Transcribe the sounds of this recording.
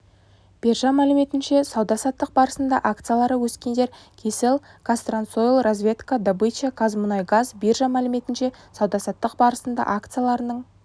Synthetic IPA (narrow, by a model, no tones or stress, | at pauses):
b̥erʒɑmælɪme̞t̪ɪnʃe̞sɑwd̪ɑsɑt̪ːəq̚bɑɾəsənd̪ɑ̰ʔak̚t̪sɨjalˠɑɾəwɵskʲe̞nd̪e̞ɾ | kʲʰe̞sɪlˠkʰast̪rant̪sojlˠrozvʲe̞t̪kad̪abɨt͡ʃakʰazmʊnɑjɡazberʒɑmælɪme̞t̪ɪnʃe̞sɑwd̪ɑsɑt̪ːəq̚bɑɾəsənd̪ɑ̰ʔakt̪sɨjalˠɑɾənəɴ